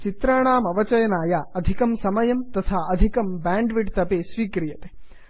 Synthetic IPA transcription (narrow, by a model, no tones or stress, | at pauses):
t͡ʃit̪ɾaːɳaːmɐʋɐt͡ʃɐjɐnaːjaːɐd̪ʱikɐmsɐmɐjɐmt̪ɐt̪ʰaːɐd̪ʱikɐmbaːɳɖʋiʈt̪ɐpeːsʋiːkɾijɐt̪e̥